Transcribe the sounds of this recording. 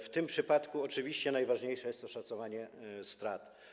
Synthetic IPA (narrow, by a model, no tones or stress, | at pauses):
ft̪ɘmpʂɘpat̪kuɔt͡ʂɘvʲiɕt͡ɕɛnajvaʐɲejʂɛjɛst̪ɔʂat̪sɔvaɲɛst̪ɾat̪